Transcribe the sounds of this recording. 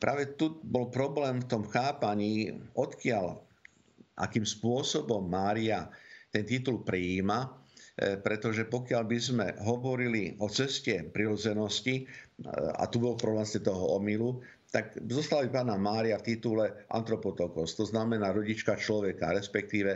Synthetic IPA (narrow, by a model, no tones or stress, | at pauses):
pɾʔaːʋɛt̪ubɔlpɾɔblɛːmft̪ɔmxaːpaɲiːɔt̪kɪal | ʔa̰kiːmspʊɔsɔbɔmːaːɾiat̪ɛnt̪it̪ulpɾiiːma | pɾɛt̪ɔʒɛpɔkɪalbizmɛ̰ɦɔʋɔɾiliʔɔt͡sɛscɛpɾiɾɔd͡zɛnɔsci | a̰t̪ubɔlpɾɔblɛmscɛt̪ɔɦɔɔmilu | t̪akzɔst̪albipaːnamaːɾiaft̪it̪ulɛʔa̰nt̪ɾɔpɔt̪ɔkɔst̪ɔznamɛnaːɾɔɟit͡ʃkat͡ʃlɔʋɛka̰ɾɛspɛk̚t̪iːʋɛ